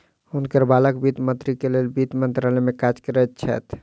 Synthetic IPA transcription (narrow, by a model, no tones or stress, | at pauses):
unkəɾbaləkbit̪mənt̪ɾikelelbit̪mənt̪ɾalɛmekad͡ʒkəɾɛt̪̚t͡ʃʰɛ̰t̪ʰ